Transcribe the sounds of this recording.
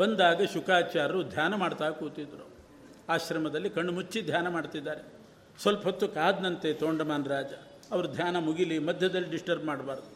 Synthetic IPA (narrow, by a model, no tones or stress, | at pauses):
bond̪aːɡɐʃukaːt͡ʃaːɾɐɾud̪ʱjaːnɐmaːɖt̪aːɐkuːt̪id̪ɾu | aːʃɾɐmɐd̪ɐlːikɐɳːumut͡ʃːid̪ʱjaːnɐmaːɖt̪id̪ːaːɾe | sʋɐlpɐɦot̪ːukaːd̪nɐnt̪et̪oːɳɖɐmaːnɾaːd͡ʒɐ | ɐʋɐɾud̪ʱjaːnɐmuɡilimɐd̪ʱjɐd̪ɐlːiɖisʈɐɾbmaːɖbaːɾd̪u